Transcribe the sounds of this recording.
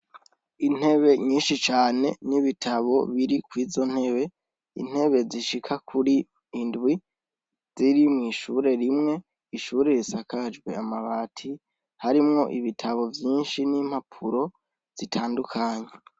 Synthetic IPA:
in̥e̞βe̞ɲiːnʃit͡ʃaːne̞̰niβitʰaβo̞βiɾikwiːzo̞n̥he̞βe̞ | ḭn̥he̞βe̞ziʃikʰakʰuɾiː | ndwi | z̥iɾimŋiːʃuɾe̞ɾimŋe̞ | iʃuːɾe̞ɾisakad͡ʒɡwḛamaβaːtʰi | haɾimŋo̞̰ʔiβitʰaβo̞vjiːnʃinim̥hapʰuɾo̞ | z̥itʰaːndukʰaɲe̞

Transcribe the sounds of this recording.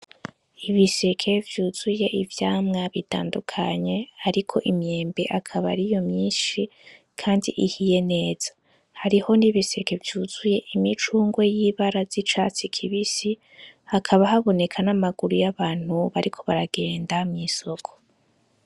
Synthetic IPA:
iβise̞kʰe̞vjuːzuje̞ʔivjaːmŋaβita̰ːndukʰaɲe̞aɾikʰo̞ʔimɲe̞ːmbe̞ʔakʰaβa̰ɾijo̞mɲiːʃi | kʰaːndiʔihije̞ne̞ːz̥ḁ | haɾiho̞niβise̞ke̞vjuːz̥uje̞ʔimit͡ʃuːŋɡwe̞jiβaɾazit͡ʃat͡sikʰiβisi | hakʰaβaɦaβo̞ne̞kʰanamaɡuɾujaβaːn̥huβaɾʔikʰo̞βaɾaɡ̥e̞ːndamŋiso̞kʰo̥

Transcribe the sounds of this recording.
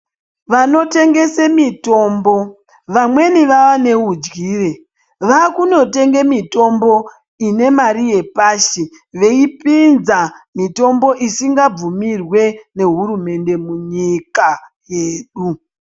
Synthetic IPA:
ʋano̞te̞ŋɡe̞semito̞ːmbo̞ | ʋamwe̞niʋaʋane̞ud͡ʒɡiːre̞ | ʋakuno̞te̞ŋɡe̞mito̞mbo̞ | ine̞maɾije̞paːʃe | ʋe̞ipinzamito̞mbo̞ʔisiŋɡab͡vumirwe̞ne̞ɦurume̞nde̞muɲikajeːɗu

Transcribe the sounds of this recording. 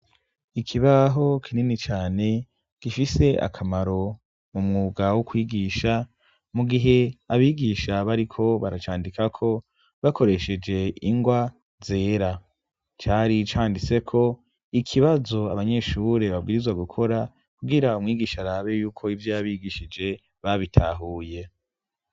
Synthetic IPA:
ikʰiβaɦo̞kʰininit͡ʃaːne̞ | ɡ̥ifise̞a̰kʰamaɾo̞ | mumŋuːɡawukwiːɡiːʃa | muɡiɦe̞aβiːɡiːʃaβaɾikʰo̞βaɾat͡ʃaːndikakʰo̞ | βako̞ɾe̞ʃe̞d͡ʒe̞iŋɡwa | ze̞ːɾa | t͡ʃaːɾit͡ʃaːndit͡se̞kʰo̞ | ikʰiβazo̞aβaɲe̞ʃuɾe̞βabɡiːɾizwaɡukʰo̞ɾa | kuɡiɾaumŋiːɡiːʃaɾaːβe̞juːkʰo̞ivjojaβiːɡiʃid͡ʒe̞ | βaβitʰa̰ːɦuːje̞

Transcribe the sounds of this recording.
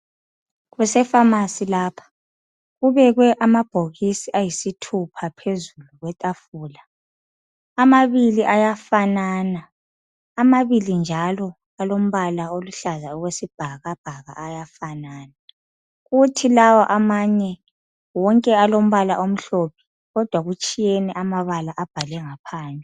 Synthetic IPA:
ɣwɛsɛfamasilaːpʰḁ | ɣuβɛɣwɛʔamab̥ʱoɣisiʔajisitʰupʰapʰezuluɣwɛtʼafuːla | maβiliʔajafanana | amaβilind͡ʒʱalɔ | alom̩βalaoluɬazauɣwesib̥ʱaɣab̥ʱaɣa̰ʔːjafanaːna | ɣutʰilawɔʔamaɲɛ | wɔŋkʼɛalom̩βalaʔom̩ɬopʰi̥ | ɣɔd̥ʱwaɣut͡ʃʼijɛnɛʔamaβalaʔab̥ʱalɛŋapʰaːnʱɛ

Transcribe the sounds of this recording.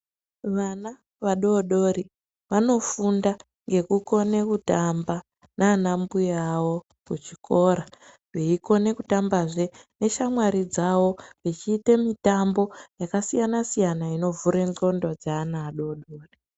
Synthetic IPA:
ʋana | ʋaɗo̞ɗo̞ɾi | ʋano̞funda | ŋɡe̞kuko̞ne̞kutamba | nanambujawo̞ | kut͡ʃikʰo̞ɾa | ʋeiko̞ne̞kutambaʐe̞ne̞ʃamwaɾid͡zawo̞ʋit͡ʃiːtemitambo̞jakasijanasijanaino̞vuɾe̞ŋd͡ɮo̞ndo̞d͡zaːnaːɗo̞ːɗo̞ːri

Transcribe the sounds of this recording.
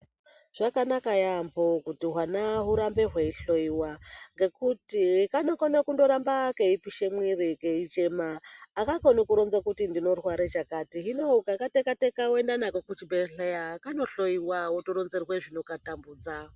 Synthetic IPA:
ʐ̥akanakajambokutiɦwanaɦuɾambe̞ɦwe̞iɬoiwaŋɡe̞kutikanokonokundo̞ɾambakeipiʃemwiɾikeit͡ʃe̞maːkakonikuɾonzakutindino̞rwaɾet͡ʃakatiɦinoukakatekatekawendanakokut͡ʃibeɬejakano̞ɬoiwawotoɾonzerweʐino̞katambuːd͡za

